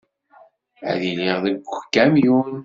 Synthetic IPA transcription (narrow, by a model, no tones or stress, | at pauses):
æ̰ðiliʁðəɡʷkːæmjun